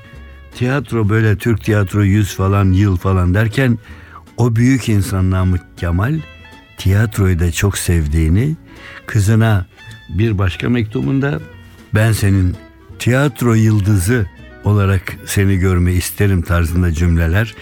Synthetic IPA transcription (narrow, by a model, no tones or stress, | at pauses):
t̪ʰijat̪ɾo̞bø̞jlʲɛt̪ʰyɾc̚t̪ʰijat̪ɾojyz̥falˠanjɯlˠfalˠand̪æɾcʰæn | o̞byjycʰinsanlˠamuːamalʲ | t̪ʰijat̪ɾo̞jd̪at͡ʃʰo̞ksɛvd̪iːni | kʰɯzɯna | biɾbaʃkʰa̰mec̚t̪ʰubund̪a | bænse̞nin | t̪ʰijat̪ʰɾo̞jɯlˠd̪ɯzɯ | o̞lˠaɾakse̞niɟø̞ɾmɛist̪ʰeɾimt̪ʰaɾzɯnd̪ad͡ʒymlʲelʲæɾ̥